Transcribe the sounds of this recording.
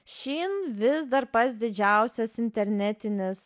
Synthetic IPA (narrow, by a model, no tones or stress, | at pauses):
ʃʲiːnʋʲɪsd̪ɐɾpɐs̬d̪ʲɪd͡ʒʲæˑʊsʲɛsɪnʲt̪ʲɛɾʲnʲɛt̪ʲɪnʲɪs